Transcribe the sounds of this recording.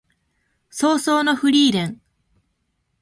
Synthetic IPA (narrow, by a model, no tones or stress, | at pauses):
soːsoːno̞ɸɯ̟ɾʲiːɾẽ̞ŋ